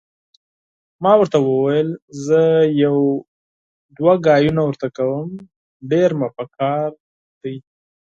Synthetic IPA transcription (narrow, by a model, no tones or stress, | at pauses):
mɑwəɾt̪awəwajəlzəjaw | d̪waɡɑjunawəɾt̪akawəm | ɖeɾmapəkʰɑɾ | d̪̥əj